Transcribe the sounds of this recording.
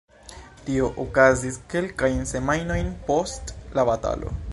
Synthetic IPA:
tio̞ʔokaziske̞lkajnse̞majno̞jnpo̞stlabata̰lo̞̰

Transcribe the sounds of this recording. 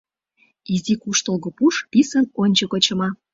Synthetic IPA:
izikuʃt̪ŏlɣŏpuʃpisənonʲt͡ɕə̆kot͡ɕɤ̆mɑ

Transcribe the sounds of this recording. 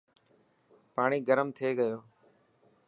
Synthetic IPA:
paːɳ̃iːɡəɾəmt̪ʰeːɠəjoː

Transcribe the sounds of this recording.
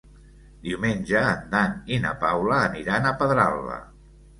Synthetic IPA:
d̪iwmenʲʒəːnd̪aninə̰pawləːniɾanəpəðɾa̰lˠːə̰

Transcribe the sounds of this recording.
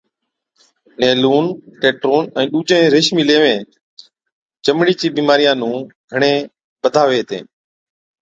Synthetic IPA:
neːluːnʈeːʈɾoːnɛ̃ːɗuːd͡ʒẽːɾeʃmiːleːʋẽː | t͡ʃəmɽiːt͡ʃiːɓiːmaːɾijãːnũː | ɡʱəɳẽː | ɓəd̪ʱaːʋeːt̪ḛ̃ː

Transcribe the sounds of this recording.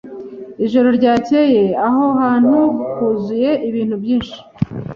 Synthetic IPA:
iʒo̞ɾo̞ɾɟaːce̞je̞aɦo̞haːn̥hukuzuje̞ʔiβiːn̥hubjiːnʃi̥

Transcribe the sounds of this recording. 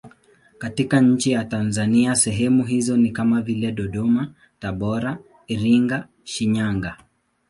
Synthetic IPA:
katikaɲ̩t͡ʃijatanzaniasɛɦɛmuɦizɔnikamavilɛɗɔɗɔma | taɓɔɾa | iɾiŋɡa | ʃiɲaŋɡa

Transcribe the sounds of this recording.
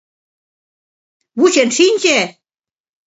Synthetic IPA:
βuɕenʃinʲt͡ɕe

